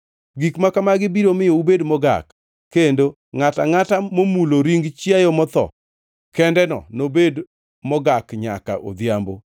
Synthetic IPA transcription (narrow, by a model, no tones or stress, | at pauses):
ɡikmakamaɡɪbiɾomɪjoubedmɔɡa̰kː | endo | ŋata̰ŋatamomuloɾiŋɡt͡ʃjajɔmɔt̪ɔ̰ | kɛndɛnɔ̰nobed | mɔɡakɲa̰ka̰ʔo̰d̪jambo̰